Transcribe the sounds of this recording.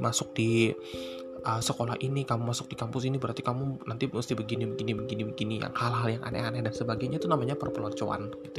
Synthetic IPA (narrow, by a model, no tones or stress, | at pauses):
masʊk̚di | ʔəsəkolahʔinikamumasʊk̚dikampʊs̬inibəɾart̪ikamunant̪imust̪ibəɡinibəɡinibəɡinibəɡinija̰ŋhalaaljaŋʔa̰nɛ̰hanɛdansəbaɡajɲait̪unamaɲapərpəlɔɲt͡ʃoa̰nɡ̥it̪u